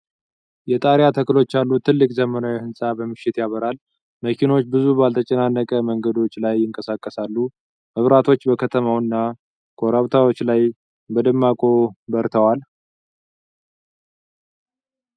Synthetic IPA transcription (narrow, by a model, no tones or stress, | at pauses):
jɛt̪ʼaɾjat̪ʰəkɨlo̞t͡ʃːalːut̪ʰɨlːɨkʼzəmənawihɨnsʼabəmɨʃːɪt̪jaβəɾal | məkʰino̞t͡ʃːbɨzubalt̪ʰət͡ʃʼənanːəkʼəməŋɡəd̪o̞t͡ʃːlajːɪŋkʼəsakʼːəsalːu | mɨβɾat̪ʰo̞t͡ʃːbəkʰət̪ʰəmawɨnːa | kʰʼoɾaβt̪ʰawot͡ʃːlaj | bəd̪ɨmːakʼo̞bəɾt̪ʰəwal